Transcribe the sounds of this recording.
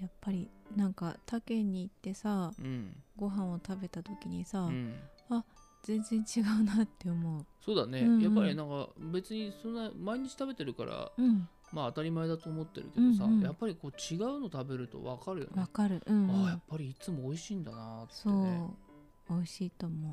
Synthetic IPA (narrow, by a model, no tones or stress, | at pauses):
japːaɾʲinãŋkat̪akẽ̞ɲ̟ːiːt̪ːe̞saɯ̃ɡo̞ɦãɰ̃o̞t̪abe̞t̪at̪o̞kʲiɲ̟isa | a | z̥ẽ̞nzẽ̞ɲ̟t͡ɕiɡaɯ̟nat̪ːe̞omo̞ɯ̟so̞ːd̪ane̞ɯ̟̃japːaɾʲinãŋka̰be̞t͡sɨɲ̟isõnːamaiɲ̟it͡ɕi̥t̪abe̞t̪e̞ɾɯ̟ka̰ɾa̰ɯ̟̃ɴ | maːt̪aɾʲimaed̪at̪o̞ːmo̞t̪ːe̞ɾɯ̟ke̞dɯõsajapːaɾʲiko̞ːt͡ɕiɡaɯ̟no̞t̪abe̞ɾɯ̟t̪o̞̰βa̰kaɾɯ̟jo̰nβakaɾɯ̟ʔʔɯ̟̃ɴajapːaɾʲiːt͡sɨmo̞ːiɕĩːnd̪anat̪so̞ː | oiɕiːt̪o̞mo̞